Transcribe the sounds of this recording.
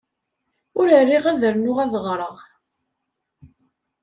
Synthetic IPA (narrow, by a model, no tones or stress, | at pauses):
ʊɾərːiʁæðəɾnʊʁæðəʁɾˤəʁ